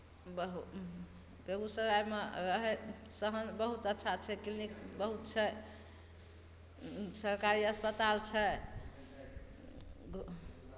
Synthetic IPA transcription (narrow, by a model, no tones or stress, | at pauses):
bəɦu | beɡusəɾajmeɾəɦɛsəɦənbəɦut̪ətːʃʰat͡ʃʰɛkilnikbəɦut̪̚t͡ʃʰɛ | səɾkaɾiəspət̪alt͡ʃʰɛ | ɡ